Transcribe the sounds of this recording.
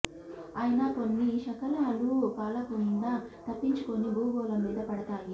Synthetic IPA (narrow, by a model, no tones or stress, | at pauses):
aːjɐnɐko̞nːiʃɐkɐlaːlupaːlɐkund̪ɐt̪ɐpːiɲt͡ʃuko̞nibuːɡɔːlɐmiːd̪ɐpɐɽɐt̪aːji